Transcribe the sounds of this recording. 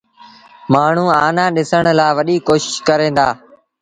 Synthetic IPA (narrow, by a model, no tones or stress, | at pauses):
maːɳ̤ũːaːnãːɗɪsəɳ̃laːʋəɗiːkoːʃɪ̥ʃkəɾẽːnd̪aː